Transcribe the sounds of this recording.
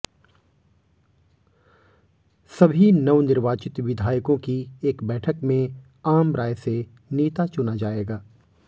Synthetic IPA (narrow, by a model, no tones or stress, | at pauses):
sɐbʱinɐʋnɪɾʋaːt͡ʃɪt̪ʋɪd̪ʱaːjkõkieːkbɛːʈʰəkmẽ | aːmɾaːjse | neːt̪at͡ʃʊnad͡ʒaːeːɡaː